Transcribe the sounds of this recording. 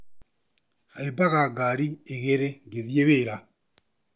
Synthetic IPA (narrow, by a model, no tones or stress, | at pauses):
haebaɣaɡaɾieɣeɾeŋɡeðjeβeːɾa